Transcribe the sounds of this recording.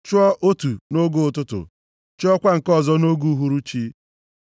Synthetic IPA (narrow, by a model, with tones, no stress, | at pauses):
t͡ʃɔ˦ʔo˦tu˨no˦ɡo˦ʊ˨tʊ˦tʊ̰˨ | t͡ʃɔ˦kʷa˦ŋ̩˨kɔ˦˨zɔ˦no˦ɡu˦ɦu˦ɾu˦t͡ʃi˦